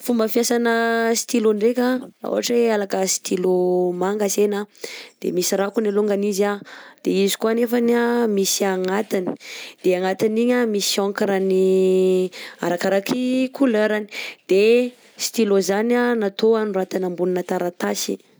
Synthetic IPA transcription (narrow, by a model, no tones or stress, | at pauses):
fumbəfijasanəsi̥t̪iluɳɖ͡ʐekʲaṵɦa̰ʈ͡ʂealakəsi̥t̪ilumaŋɡasenad̪̥ḛmisiɾakunaluŋɡanizad̪̥eizi̥kuanefanamisiaŋat̪ini̥d̪̥eaŋat̪iniɲamisioŋkiɾani | a̰ɾakaɾakʰikʰuløɾani̥d̪̥e | si̥t̪ilozananat̪oanurat̪anambuninat̪aɾat̪asḭ